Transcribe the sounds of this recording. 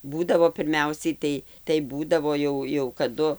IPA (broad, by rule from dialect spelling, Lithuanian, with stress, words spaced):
ˈbuːdɐʋoː pʲɪrʲˈmʲɛʊsʲɛɪ ˈtɐɪ tɐɪ ˈbuːdɐʋoː jɛʊ jɛʊ kɐˈdʊ